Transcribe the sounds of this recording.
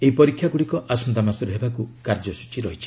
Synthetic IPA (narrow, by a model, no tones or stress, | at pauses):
eipɔɾikʰːjaɡuɽikɔʔasɔnt̪amasɔɾeɦebakukaɾd͡ʒɔsu̥t͡ʃiɾɔɦit͡ʃʰi̥